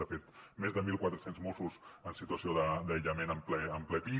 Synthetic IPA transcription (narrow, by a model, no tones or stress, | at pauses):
əfet̪mezðəmilˠkwat̪ɾəsenzmosusənsit̪uəsioðəd̪əjʎəmenəmplɛəmplɛpi